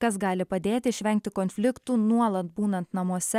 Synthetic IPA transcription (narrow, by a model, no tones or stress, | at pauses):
kɐsɡɑːlʲɪpɐd̪ʲeːt̪ʲɪɪʃʲʋʲɛŋʲk̚t̪ʲɪkonʲfʲlʲɪkt̪uːnuɔlˠɐt̪̚buːnɐnt̪nɐmuɔsʲɛ